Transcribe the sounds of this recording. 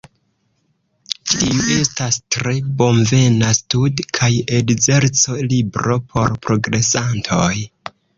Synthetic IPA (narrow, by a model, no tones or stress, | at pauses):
tiue̞stastɾe̞bo̞mve̞nastudkʰajedze̞ɾt͡so̞libɾo̞pʰo̞ɾpɾo̞ɡɾe̞santʰo̞j